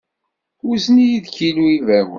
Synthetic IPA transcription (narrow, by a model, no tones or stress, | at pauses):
uznijiðçiluivæwə̰